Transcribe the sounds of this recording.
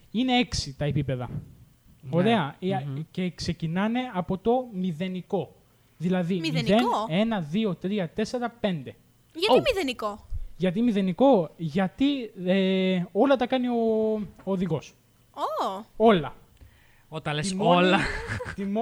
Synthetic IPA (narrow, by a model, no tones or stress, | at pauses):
ine̞eksit̪ɐepipe̞ðɐ̰ | oɾe̞ɐce̞kse̞cinɐne̞ɐpo̞t̪o̞miðe̞niko̞ | ðilɐðimenðene̞nɐðio̞t̪ɾiɐt̪e̞seɾɐpe̞nd̪e̞ | ɐmiðenikoʝɐt̪̬imiðe̞niko̞ʝɐt̪ieo̞lɐt̪ɐkɐnio̞oːðiɣo̞s | oo̞lɐ | ot̪ɐlesollɐt̪im